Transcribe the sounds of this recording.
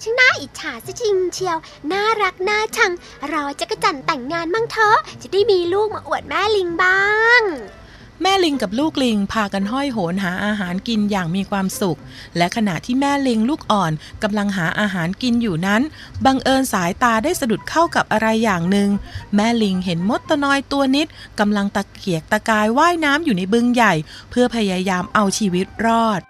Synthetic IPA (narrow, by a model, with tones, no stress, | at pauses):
t͡ɕʰi˦˥naː˥˩ʔiː˨˩t̪̚t͡ɕʰaː˩˦si˦˥t͡ɕi˧ŋ˧t͡ɕʰi˧əw | naː˥˩ɾa˦˥k̚naː˥˩t͡ɕʰa˧ŋ | ɾɔː˧t͡ɕa˨˩ka˥˩t͡ɕa˨˩nt̪ɛ˨˩ŋːaː˧nma˥˩ŋt̪ʰɔː˦˥t͡ɕa˨˩daː˦˥˩jmiː˧luː˥˩k̚maː˧ʔu˨˩ət̪̚mɛː˥˩li˧ŋbaː˥˩ŋ | mɛː˥˩li˧ŋka˨˩p̚luː˥˩k̚li˧ŋpʰaː˧ka˧nɦɔ˥˩jɦo˩˦nɦaː˩˦ʔaː˧ɦaː˩˦nki˧njaː˨˩ŋmiː˧kʰwaː˧msu˨˩k̚ | lɛ˦˥ʔkʰa˧na̰˨˩t̪ʰiː˥˩mɛː˥˩li˧ŋluː˥˩k̚ʔɔː˨˩nka˧mla˧ŋɦaː˩˦ʔaː˧ɦaː˩˦nki˧njuː˨˩na˦˥n | ba˧ŋʔɤː˧nsaː˩˦jt̪aː˧daː˥˩jsa˧du˨˩t̪̚kʰa˥˩wka˨˩p̚ʔa˧ɾa˧jːaː˨˩ŋnɯ˧ŋmɛː˥˩li˧ŋɦe˩˦nmo˦˥t̪ːa˧nɔː˧jt̪u˧ɐni˦˥t̪̚ka˧mla˧ŋt̪a˧˩kʰi˨˩˦ək̚t̪a˧kaː˧jwaː˥˩jnaː˦˥mjuː˨˩na˧jbɯ˧ŋja˨˩jpʰɯ˥˩ɐpʰa˧jaː˧jaː˧mʔa˧wt͡ɕʰiː˧wi˦˥t̪̚ɾɔː˥˩t̪̚